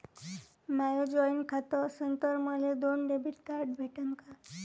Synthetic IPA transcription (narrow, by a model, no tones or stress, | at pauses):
majod͡ʑɔinkʰat̪ɔsənt̪əɾməled̪onɖebʱiʈkaɾɖbʱeʈəŋka